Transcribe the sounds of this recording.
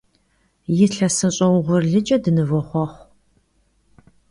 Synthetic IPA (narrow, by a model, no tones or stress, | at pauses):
jɪɬɐsɨɕʼɐwʁʷʊrɮɨd͡ʒʼɐdɨnɨvɔχʷɔχʷ